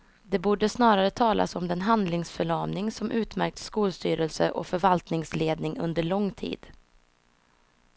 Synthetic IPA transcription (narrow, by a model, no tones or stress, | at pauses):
d̪ɛbuːɖəsnɑːɾaɾət̪ʰɑːlʔa̰sɔmd̪ɛnɦand̪lɪŋsfœɭɑːvnɪŋsɔmʔʉ̟ːt̪mæ̰ɾk̚t̪skuːlst̪yːɾɛlsə̰ʔɔ̰fœɾvalt̪nɪŋsleːd̪nɪŋɵ̰nd̪əɭɔŋːt̪ʰḭːd̪̥